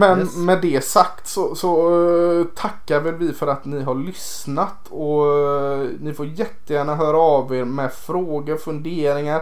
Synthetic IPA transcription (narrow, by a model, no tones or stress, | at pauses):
mɛnmɛd̪ɛsakt̪sɔsɔ | t̪ʰakːaɾvɛlvɪfœɾat̪nɪɦaɭʏs | nat̪ʰ | ɔ | nɪfoːɾjɛt̪ːəjæːɳaɦœːɾaaveːɾmɛfɾoːɡəɾfɵnd̪eːɾɪŋaɾ